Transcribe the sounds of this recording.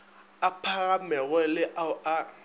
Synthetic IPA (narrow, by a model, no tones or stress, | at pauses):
apʰaɣamɛɣwɛlɪʔaʊa